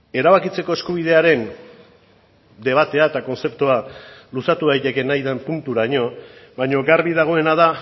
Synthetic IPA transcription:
e̞ɾaβakit͡se̞ko̞e̞skuβ̞ið̞e̞aɾe̞n | d̪e̞β̞at̪e̞aet̪ako̞nse̞pt̪ualusat̪uɣajt̪e̞ke̞najðampunt̪uɾaɲo̞βajɲo̞ɡaɾβiðaɣ̞o̞e̞naða

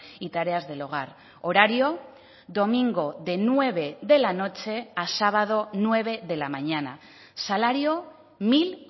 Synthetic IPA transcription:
it̪aɾe̞azðe̞loɣ̞aɾ | o̞ɾaɾio̞ | ðo̞miŋɡo̞ðe̞nue̞βe̞ðe̞lano̞t͡ʃe̞asaβað̞o̞nwe̞β̞e̞ðe̞lamaɲana | salaɾio̞ | mil

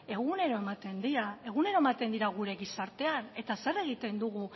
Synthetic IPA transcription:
e̞ɣ̞une̞ɾo̞e̞mat̪e̞nd̪iɾae̞ɣ̞une̞ɾo̞emat̪e̞nd̪iɾaɣ̞uɾe̞ɣisaɾt̪e̞ane̞t̪ase̞re̞ɣ̞it̪e̞nd̪uɣ̞u

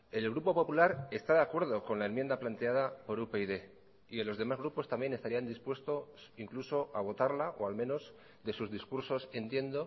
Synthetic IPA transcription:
e̞lɣɾupo̞po̞pulaɾe̞st̪aðeakwe̞ɾð̞o̞ko̞nlaenmje̞nd̪aplant̪e̞að̞apo̞ɾupeiðe̞ | ielo̞zðe̞mazɣ̞ɾupo̞st̪ambje̞nest̪aɾiand̪ispwe̞st̪o̞siŋkluso̞ʔaβ̞o̞t̪aɾlaʔo̞alme̞no̞z | ðe̞suzðiskuɾso̞se̞nt̪je̞nd̪o̞

